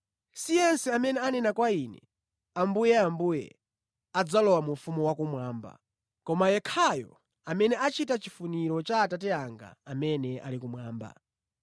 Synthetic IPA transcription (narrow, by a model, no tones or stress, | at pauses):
sijɛnsɛamɛnɛanɛnakwainɛ̰ | ambujɛambujɛ̰ | ad͡zalɔwamufumuwakumwaːmba̰ | kɔmajɛkʰajɔ̰ | amɛnɛat͡ʃitat͡ʃifuniɾɔt͡ʃaːtatɛaŋɡa̰amɛnɛʔa̰likumwaːmba̰